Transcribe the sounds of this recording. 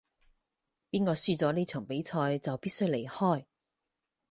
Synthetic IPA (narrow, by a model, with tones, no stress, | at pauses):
piː˥nkɔː˧syː˥˧t͡sɔː˨˥neː˥t͡sʰɵː˨˩ŋpe˨˥jt͡sʰɔː˧jt͡sɐ˨wpiː˥t̚sjle˨˩jhɔː˥˩j